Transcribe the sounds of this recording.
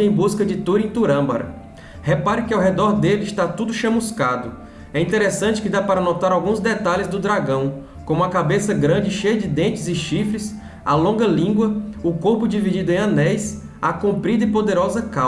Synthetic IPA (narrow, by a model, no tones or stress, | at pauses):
ẽj̃buskɐd͡ʒɪt̪oɾẽj̃t̪uɾɐ̃bɐ̰ɾɐ̰ | hepaɾɪkɪawɦɛd̪ɔɾd̪elɪst̪at̪ud̪ʊʃɐ̃muskad̪ʊ | ɛĩnt̪eɾesɐ̃t͡ʃɪ̥kɪd̪apaɾɐnɔt̪aɾawɡũzd̪et̪alɪzd̪ʊd̪ɾaɡɐ̃w̃ | kõmuɐkabesɐɡɾɐ̃d͡ʒɪʃejɐd͡ʒɪd̪ẽnt͡ʃɪzɪʃifɾɪs | a̰lõŋɡɐlĩɡwɐʊkoɾpʊd͡ʒivid͡ʒid̪ʊẽj̃ɐ̃nɛjs | akõpɾid̪ɐɪpod̪eɾɔzɐka